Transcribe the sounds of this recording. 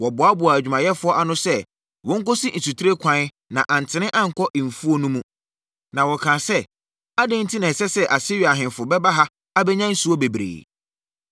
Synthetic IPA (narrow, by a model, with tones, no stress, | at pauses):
wɔ˨bʊ˨a˦bʊ˨a˨æ˨d͡ʑᶣu˨mã˨jɛ˦fʊ˦ɔ˦ʔa˦nʊ̃˦sɛ˦ | wɔ̃˨˦ŋ̩˦kɔ˦si˦n̩˨su˨tʰɪ˦ɾe˦kʷʰã˦n˦ | nã˨ʔã˨n̩˨tʰɪ˨˦nɪ̃˦ʔã˦ŋ̩˨kʰɔ˦ʔm̩˨fu˦o˦nũ˦mũ˦ | nã˨wɔ˨kʰãː˨sɛ˦ | a˦dẽ˦n̩˦tʰi˦nã˨sɛ˦sɛ˦ʔa˨si˦ɥi˨a˨ɦɪ̃˨fʊ˨bɛ˦ba˦ɦa˦ | a˦bɛ˦ɲã˦n̩˦su˨ɔ˦be˨bɾḛː˨